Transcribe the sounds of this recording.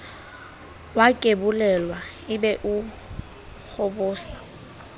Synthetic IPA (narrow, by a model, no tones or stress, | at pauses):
wakʼebʊlɛlwa | ɪbɛʔʊ | k͡xʰʊbʊːsḁ